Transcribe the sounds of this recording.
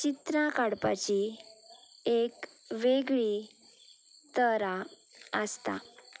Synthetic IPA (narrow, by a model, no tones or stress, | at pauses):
t͡ɕit̪ɾakaɽpat͡ɕi | ekʋeɡɭi | t̪əɾa | əst̪a̰